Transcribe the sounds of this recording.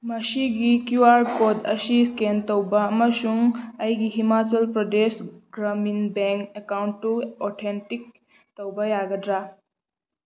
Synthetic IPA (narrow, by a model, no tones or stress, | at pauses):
mɐsiɡikjuaɾkodɐsiskentɔwbaːməsuŋɐjɡiɦimat͡ʃɐlpɾɔdesɡɾaminbeŋkekawɳʈːuɔtʰenʈik̚ | t̪ɔwbajaɡədɾa